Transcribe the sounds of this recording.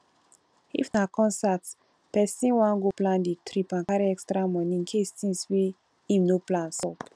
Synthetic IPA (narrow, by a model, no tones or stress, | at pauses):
ḭfnakɔ̃nsat | pɛsĩnwãnɡoplãnditɾipãŋkaɾiɛkstɾamɔ̃nĩŋkʰestĩnswe | ĩmnoplãnsɔp